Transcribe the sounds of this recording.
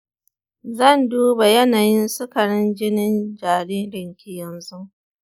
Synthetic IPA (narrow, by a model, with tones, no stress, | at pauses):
zɐ˦˨nduː˦ba˨jɐ˦naː˨jɪ˦nsʊ˦kɐ˨ɽɪ˦nd͡ʒɪ˦nɪ˦nd͡ʒaː˨ɽiː˦ɽɪ˨ŋkʲi˦jɐ˨nzu˦